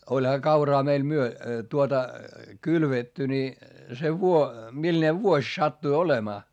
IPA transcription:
olʲhɑ kɑurɑː meil myø tuotɑ kylʋetːy ni se ʋuo milne ʋuosʲ sɑtːui olemɑː

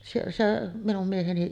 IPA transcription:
sielːæ se minum mieheni

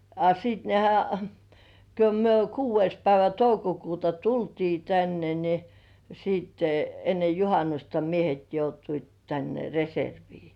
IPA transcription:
ɑ sit nehæ ko myø kuːʋˑeis pæiʋæ toukokuːtɑ tultiː tænːe ni siːtːe enːe juhɑnustɑ miehet joutuit tænːe reserʋiː

